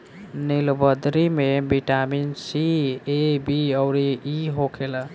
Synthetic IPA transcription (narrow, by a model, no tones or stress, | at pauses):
nilobʌd̪ɾimebʱiʈaminsiebiʌwɾiiɦokʰelʌ